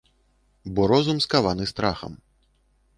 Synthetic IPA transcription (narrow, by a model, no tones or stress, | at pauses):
bɔɾɔzumskavanɨst̪ɾaxɐ̰m